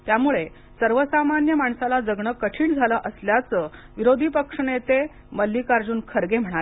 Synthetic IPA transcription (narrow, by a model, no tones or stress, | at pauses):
t̪jamuɭe | səɾʋəsamanjəmaɳsalad͡zəɡɳəkəʈʰiːɳd͡zʱaləʔəsljat͡sə | ʋiɾod̪ʱipəkʂɳet̪e | məlːikaɾd͡ʑuːnkʰəɾɡem̤əɽ̃ale